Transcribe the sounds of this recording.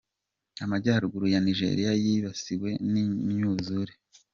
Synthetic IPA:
amaɟaːɾuɡuɾujaniʒe̞̰ɾijajiβasiwe̞niɲuzuɾe

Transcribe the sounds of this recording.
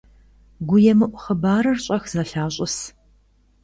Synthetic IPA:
ɡʷʊjɛmɨʔʷʊχəbaːɾɐrɕʼɐxz̥ɐɬaːɕʼɪs

